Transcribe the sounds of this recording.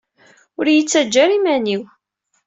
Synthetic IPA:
ʊɾjət͡sːæd͡ʒːæɾimæniw

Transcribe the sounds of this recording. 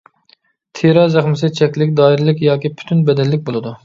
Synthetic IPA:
t̪ʰeɾɑzæχmɪsɪt͡ʃʰɛkʲlɪkʲd̪ɑːiɾɪlˠɪkʲjɑːkʲipʰy̥t̪ʰynbɛd̪ɛnlːɪk̚ʲbolˠɨd̪u

